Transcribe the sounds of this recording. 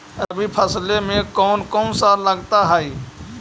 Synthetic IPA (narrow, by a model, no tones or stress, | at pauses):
ɾɐbʱipʰəslemẽkɔːnkɔːnsaləɡt̪aɦaːiː